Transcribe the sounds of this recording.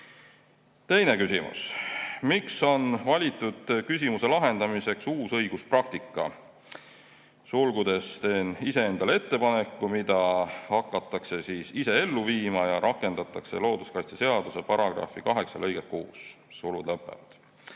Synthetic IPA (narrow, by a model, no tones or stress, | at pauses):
t̪e̞jne̞kysʲimʔṵsmikso̞nvɑlʲit̪ːˑud̪̥kys̬ʲimuse̞lɑɦe̞nd̪̥ɑmise̞ksuːsɤ̞jɡ̥usprɑk̚t̪ikːˑɑ̰ | sulɡ̥ud̪̥e̞st̪e̞ːnise̞e̞nd̪̥ɑle̞t̪ːe̞pɑne̞kːumid̪̥ɑhɑkːˑɑt̪ːˑɑkse̞siːsise̞e̞lːuviːmɑjɑɾʔɑkːˑe̞nd̪̥ɑt̪ːˑɑkse̞lo̞ːd̪̥uskɑjst̪i̥se̞ɑd̪use̞pɑɾɑɡ̥rɑ̰fikɑɦe̞ksɑ̰lɤjɡ̥ekko̰ːs | sulud̪̥lɤpːˑḛvɑ̰d̪̥